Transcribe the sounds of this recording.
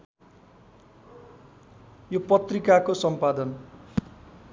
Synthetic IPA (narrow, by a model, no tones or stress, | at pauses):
jopʌt̪rikakosʌmpad̪ʌn